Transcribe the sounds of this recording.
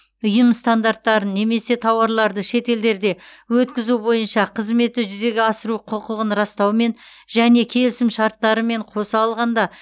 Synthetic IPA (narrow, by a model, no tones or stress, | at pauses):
ʊjəmst̪and̪art̪ːɑɾənːe̞me̞se̞t̪ʰɑwɑɾlˠɑɾd̪əʃe̞t̪e̞ld̪e̞ɾd̪e̞wɵt̪kʲɪzubo̞jənʃɑqʰəzme̞t̪ːɪʒʏze̞ɡʲeɑsəɾuqʰʊqəʁənɾɑst̪ɑwme̞n | ʒ̥æne̞kʲʰe̞lɪsɪmʃɑɾt̪ːɑɾəme̞ɴqʰo̞sɑːlˠʁɑnd̪ɑ